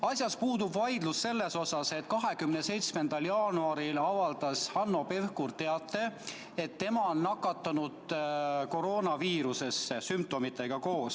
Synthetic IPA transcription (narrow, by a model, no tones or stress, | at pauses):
ɑsʲjɑspuːd̪̥ubvɑjd̪lusːe̞lːe̞so̞sɑse̞t̪kɑɦe̞kymnese̞jt̪sme̞nd̪ɑljɑːnuɑɾilɑvɑld̪ɑshɑnːo̞pe̞vkurt̪e̞ɑt̪ːˑe̞ | et̪ːe̞mɑo̞nːɑkːˑɑt̪ːˑɑnud̪̥ko̞ɾo̞ːnɑviːɾuse̞sesymp̚t̪o̞mit̪ːˑe̞ɡ̥ɑko̞ːs